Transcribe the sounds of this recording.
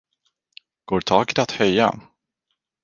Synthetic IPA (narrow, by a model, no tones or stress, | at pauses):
ɡ̥oːʈʰɑːɡɪt̪at̪hœjːa̰